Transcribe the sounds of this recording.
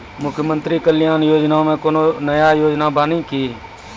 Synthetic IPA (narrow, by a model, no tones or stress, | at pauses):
mʊkʰjəmə̃nt̪ɾikəlɪjaːnjoːd͡ʒnaõmẽkoːnonəjajoːd͡ʒnabaːnĩkiː